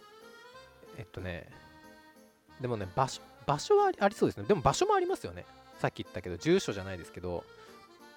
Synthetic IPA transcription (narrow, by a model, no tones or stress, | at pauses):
et̪ːone̞̰ | d̪e̞mo̞ne̞baɕo̞baɕo̞βaɾʲiaɾʲisoːd̪e̞sɨned̪e̞mo̞baɕo̞mo̞aɾʲimasɨjo̞̰ne̞̰ | sakʲːit̪ːake̞d̪o̞d͡ʑɨːɕo̞ʑanaid̪e̞sɨ̥ke̞d̪o̞̰